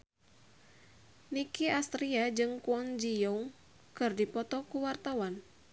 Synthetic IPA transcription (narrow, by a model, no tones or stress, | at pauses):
nikiast̪ɾiad͡ʒɨŋkuɔŋd͡ʒijɔŋ | kɨrdipɔt̪ɔkuwart̪awan